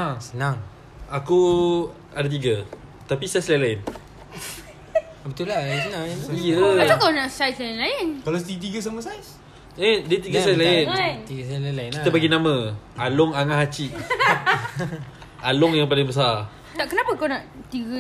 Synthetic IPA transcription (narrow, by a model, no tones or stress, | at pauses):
aŋsənaŋ | aku | adat̪̬iɡə | t̪apisajslailaɪn | bət̪ulasənãijəat̪akawnaʔsajslaɪnlaɪnkalat̪it̪̬iɡəs̬aməsajs | ediət̪iɡəsajslaɪnnt̪iɡəsallaɪnkit̪əpaɡinamə̃ʔalʊŋaŋaɦat͡ʃiʔ | alʊŋjaŋpalaŋbəs̬ar | t̪aʔkənapəkawnaʔt̪iɡə